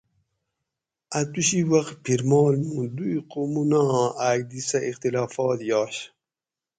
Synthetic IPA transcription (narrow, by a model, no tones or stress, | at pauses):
ɐt̪uɕiwɐqt̪pʰiɾmɑːlnũːd̪ujqomunãːaːɡ̚d̪isɐixt̪ilaːfɑːt̪jɑːɕ